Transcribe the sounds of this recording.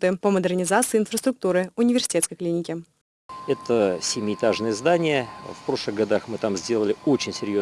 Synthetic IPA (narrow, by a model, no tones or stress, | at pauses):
t̪ɨpəməd̪ərnʲɪzat̪sɨːnfɾəst̪ɾʊk̚t̪uɾɨʊnʲɪvʲɪrsʲɪ̥tʲet̪skəɪjklʲinʲɪkʲɪ | ɛt̪əsʲɪmʲiːt̪aʐnəjəzd̪anʲɪjəfpɾo̞ʂlˠɨɣɡɐd̪axmɨt̪amzʲdʲe̞lˠəlʲɪot͡ɕɪnʲsʲɪɾʲjo